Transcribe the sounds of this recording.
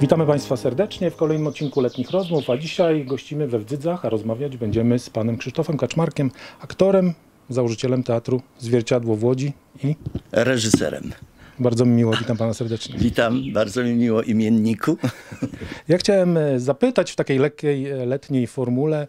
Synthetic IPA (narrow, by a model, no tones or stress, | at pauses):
vʲit̪amɘpaj̃st̪fasɛɾd̪ɛt͡ʂɲɛfkɔlɛjnɘmɔt̪̚t͡ɕːinkulɛt̪ɲixɾɔzmufad͡ʑiɕajɡɔɕt͡ɕimɘvɛvd̪zɘd̪zaxaɾɔzmavʲjad͡ʑbɛɲd͡ʑɛmɘspanɛmkʂɘʂt̪ɔfɛmkat͡ʂmaɾkʲɛmakt̪ɔɾɛm | zawɔʐɘt͡ɕɛlɛmt̪ɛat̪ɾuzvʲjɛɾt͡ɕad̪wɔvwɔd͡ʑi | iɾɛʐɘsɛ̰ɾɛ̰mbaɾd̪zɔmʲmʲiwɔvʲit̪ampanasɛɾd̪ɛt͡ʂɲɛvʲit̪ambaɾd̪zɔmʲimʲiwɔʔimʲjɛnɲikʰu | jaxt͡ɕawɛmzapɘt̪at͡ɕft̪akʲejlɛkʲːejlɛt̪ɲejfɔɾmulɛ